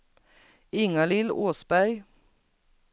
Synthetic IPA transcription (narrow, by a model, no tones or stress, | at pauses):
ɪŋalɪloːsbæɾj